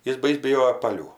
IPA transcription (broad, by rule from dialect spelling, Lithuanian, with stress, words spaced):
ˈjɪs ˈbɐɪsʲ bʲɪˈjoːjoː pɐˈlʲuː